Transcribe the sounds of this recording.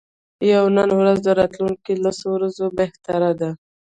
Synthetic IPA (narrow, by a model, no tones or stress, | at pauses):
jawnənwɾazd̪əɾɑt̪luŋkilasowɾazobeht̪aɾad̪a